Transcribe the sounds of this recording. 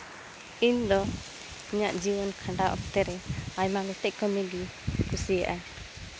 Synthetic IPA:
ind̪ɔ | ɲaʔd͡ʒiwɔnkʰaɳɖaʔɔ̰p̚t̪ɛɾɛajmaɡɔt̪ɛʔ̚kɔmɛɡi | kusija̰ʔa

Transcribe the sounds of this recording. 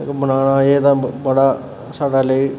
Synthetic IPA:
kbənaːnãːeːt̪ãːbəɽaː | saːɽaːləiː

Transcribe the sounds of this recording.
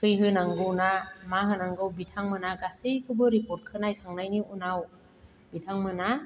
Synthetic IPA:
kʰɯjɦɯnaŋɡɯwnamaɦɯnaŋɡɯwbitʰaŋmɯnaɡasikʰɯbɯɾipɔɾt̚kʰɯnajkʰaŋnajniunaw | bitʰaŋmɯna

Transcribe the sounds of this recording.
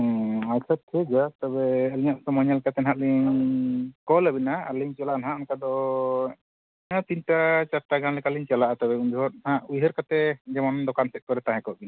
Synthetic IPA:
ajkʰat̪ʰɛd͡ʒat̪ɛbɛːlɲaʔsɔmɔɲalkat̪ɛnɦãʔliɲ | kɔlabinaaliɲt͡ʃalaʔnaɦãʔnkad̪ɔ | nat̪inʈat͡ʃat̪aɡanlɛkaliɲt͡ʃalaʔat̪ɛbɛuɲd̪uɦɔt̪̚nhaʔujɦəɾkat̪ɛd͡ʒɛmɔnd̪ɔkansɛt̪̚kɔɾɛt̪ãɦɛ̃kɔʔbina

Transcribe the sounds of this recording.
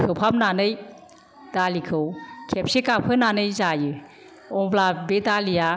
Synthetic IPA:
kʰɯwpʰap̚nanɯj | d̥alikʰɯwkʰep̚sekapʰɯnanɯjzajɯ | ɔŋblabedalia

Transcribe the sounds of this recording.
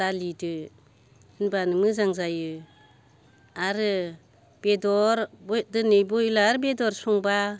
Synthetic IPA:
alidɯ | ɯnbanɯmɯzaŋzajɯ | aɾɯ | b̥edɔɾbɔdɯnɯjbɔilaɾɯbedɔɾsɔŋba

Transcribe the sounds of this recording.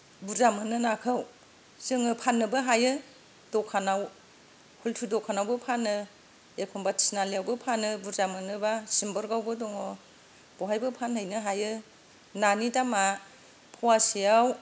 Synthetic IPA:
buzamɯnɯnakʰɯw | sɯŋɯpʰanːɯbɯɦajɯ | d̥ɔkʰanaw | hultʰudɔkʰanawbɯpʰanɯ | ekʰɔmbatʰi̥snalijawbɯpʰanɯbuzamɯnɯbasimbɔɾɡawbɯdɔŋɔ | b̥ɔɦajbɯpʰanhɯjnɯɦajɯ | nanidama | pʰɔwasijaw

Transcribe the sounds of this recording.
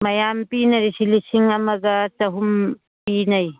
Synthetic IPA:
mɐjampinɐɾisilisiŋɐmɐɡɐtɐɦum | pinɐj

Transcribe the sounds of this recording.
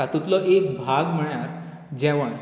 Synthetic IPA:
at̪ut̪lɔʔek̚bʱaɡm̤əɭjaɾ | d͡ʑɛ̃ʋəɳ

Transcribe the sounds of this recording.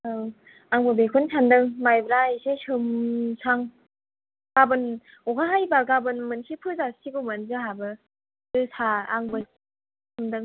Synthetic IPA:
ɯ | aŋbɯbekʰunsʰandɯŋmajbɯɾaisesɯmsʰaŋ | ɡ̥abɯn | ɔɡaɦajbaɡabɯnmɯnsipʰɯzasiɡumɯnzɯɦabɯ | dɯsʰaaŋbɯ | sʰɯmdɯŋ

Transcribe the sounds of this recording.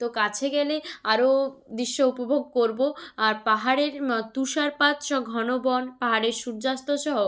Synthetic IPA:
t̪okat͡ɕʰeɡɛleaɾod̪iʃːoupobʱoɡ̚koɾboaɾpaɦaɾeɾt̪uʃaɾpat̪ʃɔɡʱɔnobɔnpaɦaɾeɾʃuɾd͡ʑast̪oʃɔɦo

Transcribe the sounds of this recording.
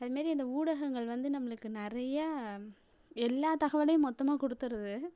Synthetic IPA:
ɐðɯmaːd̪ɾiɪnd̪ɐuːɽɐɣɐŋɡɐɭʋɐnd̪ɯnɐmːɐɭɯkːɯnɪɾɐjɐ | ɛlːaːt̪ɐɣɐʋɐlɐjɯ̃mːɔt̪ːɐmaːkɔɽɯt̪ːɯɾɐðɯ

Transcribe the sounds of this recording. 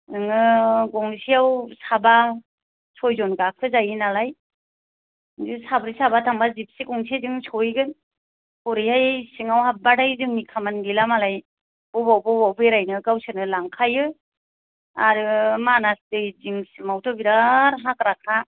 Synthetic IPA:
ɯŋɯɡɔŋsiawsaba | sʰɔjzɔnɡakʰɯzajɯnalaj | zɯsabɾisabatʰaŋbazip̚siɡɔŋsezɯŋsʰɔjɡɯn | kɔɾihajsɯŋawhap̚badajzɯŋmikʰamanɡilamalaj | b̥ɔbawbɔbawbɯjɾajnɯɡawsɯnɯlaŋkʰajɯ | aɾɯmanastɯjziŋsimawtʰɔbiɾaɾɦakɾakʰa

